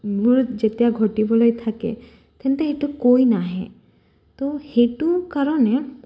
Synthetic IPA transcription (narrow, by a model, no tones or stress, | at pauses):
ɡʱuɾd͡ʒet̪eaɡʱɔʈibɔlojt̪ʰakḛ | t̪ʰent̪eːʈukojnaɦɛ̰̃ | t̪oheʈukaɾɔne